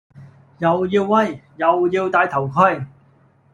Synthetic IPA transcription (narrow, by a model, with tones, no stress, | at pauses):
jɐ˨wjiː˧wːɐ˥˩jːɐ˨wjiː˧wt̪aː˧jt̪ʰɐ˨˩wkʰɵ˧˥˩j